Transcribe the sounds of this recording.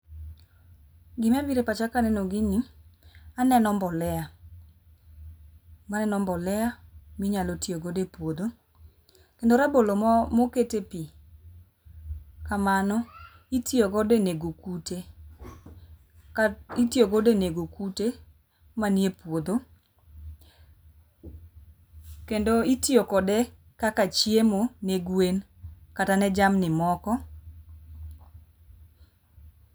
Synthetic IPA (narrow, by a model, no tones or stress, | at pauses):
ɡɪmɛbiɾepat͡ʃakanɛnoɡɪni | anɛnɔmbɔlɛa | manɛnɔmbɔlɛamiɲalotioɡodepwod̪o | kendoɾabolommoketepi | kamanɔ | itjoɡɔdeneɡokute | itiokɔdeneɡokute | manjepwod̪o | kendoitiokɔdɛ | kakat͡ʃjemoneɡwen | katanɛd͡ʒamnɪmɔkɔ